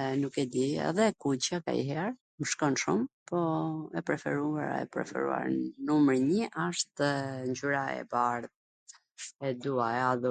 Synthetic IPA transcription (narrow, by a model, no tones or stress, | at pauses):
nukɛd̪iɛ̰ðɛkut͡ɕaka̰ḭɦɛɾ | məʃkɔnʃumpɔɛpɾɛfɛ̰ɾuaɾɛ̰pɾɛ̰fɛ̰ɾṵa̰ɾnumɾiɲəʔaʃt̪ɲd͡ʑyɾaɛ̰baɾð | ɛd̪uaɛaðu